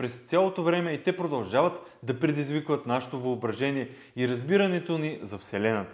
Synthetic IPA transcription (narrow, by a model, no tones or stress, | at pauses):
pɾɛst̪sʲjalˠot̪ovɾɛmɛit̪ɛpɾod̪ɐlˠʒavɐt̪ | d̪ɐpɾɛd̪izvikvɐt̪naʃɛ̥t̪ovɐobɾɐʒɛniɛ | iɾɐzbiɾɐnɛt̪onizɐfsɛlɛnɐt̪ə̥